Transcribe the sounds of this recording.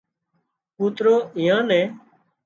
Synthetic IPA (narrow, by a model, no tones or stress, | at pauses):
kuːt̪ɾoːʔɪ̃ːãːnɛ̃ː